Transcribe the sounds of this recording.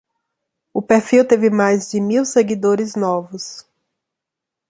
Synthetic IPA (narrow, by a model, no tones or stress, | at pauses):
ʊpeɾfiwt̪evɪmajzd͡ʒɪmiwseɡid̪oɾɪznɔvʊs